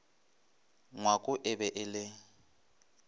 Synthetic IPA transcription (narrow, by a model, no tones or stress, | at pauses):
ŋwakʼʊʔɪbɛʔɪlɪ